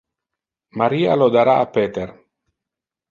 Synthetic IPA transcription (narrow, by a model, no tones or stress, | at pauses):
maɾiːa̰lod̪aɾaːpeːt̪eɾ